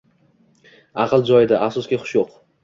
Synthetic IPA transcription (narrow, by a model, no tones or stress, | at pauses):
ɑqʰɨlˠd͡ʒɒjɪd̪aʔafsɒskʲɪχʊ̥ʃjoq